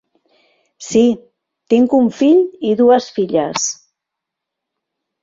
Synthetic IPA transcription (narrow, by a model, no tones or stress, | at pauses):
si | t̪iŋkuɱfiʎiðuəsfiʎəs